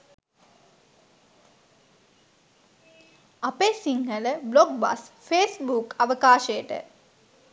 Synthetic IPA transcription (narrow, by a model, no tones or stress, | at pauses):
apesiŋɡələbloɡ̚ba̰sfeːsbukaʋəkaːʃəjəʈə̰